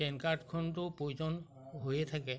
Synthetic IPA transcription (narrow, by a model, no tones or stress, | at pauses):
ɛnkaɾʈkʰɔnt̪upoid͡ʒɔn | ɦojet̪ʰakɛ